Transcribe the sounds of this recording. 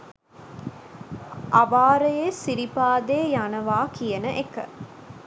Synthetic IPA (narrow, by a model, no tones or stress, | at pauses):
ʔaʋaːɾəjesiɾipaːd̪eːjanəʋaːkijɐnəʔekə̰